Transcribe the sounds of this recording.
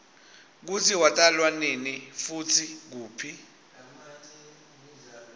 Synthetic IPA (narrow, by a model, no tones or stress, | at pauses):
k̬ut͡sʰiwatʼalwanenifutʰik̬uːpʰi